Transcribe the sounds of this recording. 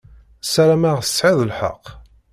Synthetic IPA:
sæɾæmaʁθə̥sʕiðˤəlħə̰qː

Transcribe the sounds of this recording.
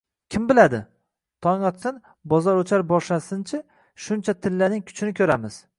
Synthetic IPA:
kʲʰɪmbɪlad̪ɪ | t̪ʰɒŋɒt̪sɪn | bɒzɒɾot͡ʃʰaɾbɒʃlasɪnt͡ʃʰɪ | ʃʊnt͡ʃʰat̪ʰɪlːanɪŋkʲʰʊ̥t͡ʃʰɪnɪkʲʰɵɾamɪz̥

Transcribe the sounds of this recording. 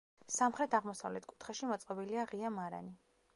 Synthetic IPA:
samχɾɛt̪ʰaʁmɔsavlɛt̪ʰkʼu̥t̪ʰχɛʃimɔt̪sʼqʼɛbiliaʁiamaɾa̰ni

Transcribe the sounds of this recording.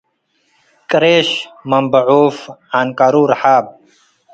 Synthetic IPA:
kɾeːɕmɐmbɐʕuːfaːnkaːɾuːɾħaːb̚

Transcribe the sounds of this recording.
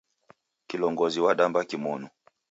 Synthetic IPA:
kilɔŋɡɔziwaɗambakimɔnu

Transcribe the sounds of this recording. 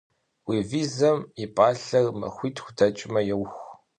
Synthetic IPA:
wiːviːzɐmipʼaːɬɐrmɐ̰xʷiːtʰxʷʊdʰɐt͡ʃʼɪmɐjɛwxʷ

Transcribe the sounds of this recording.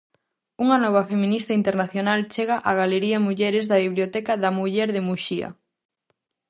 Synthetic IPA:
uŋɐnɔβ̞ɐfemĩnist̪aint̪eɾnaθjonalt͡ʃeɣaʔaɣaleɾiɐmuʎɛɾɪzðɐβiβliot̪ɛkɐðɐmuʎɛɾðɪmuʃiɐ̰

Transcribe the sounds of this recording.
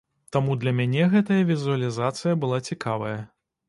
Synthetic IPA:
t̪amud̪lʲɐmʲanʲɛɣɛt̪ɐjɐvʲizuɐlʲizat̪sɨjɐbɨlˠat͡sʲikʰavɐjɐ

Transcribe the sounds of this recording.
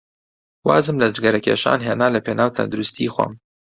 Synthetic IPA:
waːzɨmlɐd͡ʒɡɐɾɐkʰʲḛːʃa̰ːnɦeːnaːlɐpʰeːnaːwt̪ʰɐ̰nd̪uɾust̪ʰiːxwɐ̰m

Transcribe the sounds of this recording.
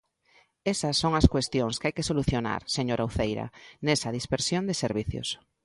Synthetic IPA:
esɐsːoŋɐskwest̪joŋskajkesoluθjona̰ɾseɲoɾʔauθejɾɐ̰nesɐðispeɾsjond̪eseɾβiθjo̰s

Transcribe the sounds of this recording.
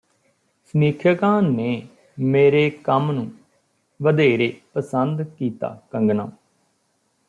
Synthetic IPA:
sniːkʰəkãːneː | meːɾeːkəmnũː | ʋəd̪eːɾeːpəsənd̪kiːt̪a̰ːkəŋɡnã̰ː

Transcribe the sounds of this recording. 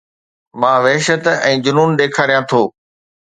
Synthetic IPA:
mãːʋeɦʃət̪ɛ̃ːd͡ʑʊnuːnɗeːkʰaːɾijãt̪ʰoː

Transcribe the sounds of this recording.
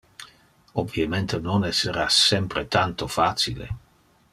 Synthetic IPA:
obiement̪enonɛsːeɾasɛmpɾet̪ant̪ofaːt͡silḛ

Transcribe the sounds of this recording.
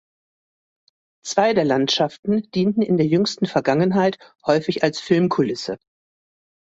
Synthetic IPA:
t͡sv̥aɪdeːɐlantʃaftn̩d̥iːntn̩ɪ̰ndeːɐjʏŋstn̩fɛɐɡaŋənɦaɪthɔʏfɪçalsfɪlmkʰʊlɪsə̰

